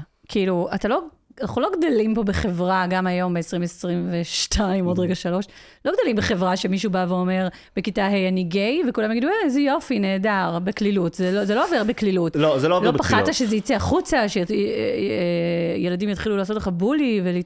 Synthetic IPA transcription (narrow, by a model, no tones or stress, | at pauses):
kʰiiluatalo̞ | anaχulo̞ɡdalimpo̞beχe̞vʁaɡamajo̞mbeesʁimesʁimveʃtʰaimo̞dʁeɡaʃalo̞ʃ | lo̞ɡd̪alimbeχe̞vʁaʃe̞miʃ̬ubaveo̞me̞ʁ | b̥ekitaɦejaniɡejvekulamjaɡiduezɛjo̞fine̞ːdaʁbeklilutzelozeloaveʁbeklilutlozelovlopaχadtaʃezejit͡seaχut͡saʃe | jeladimjat̪χilulaːsotleχabulivel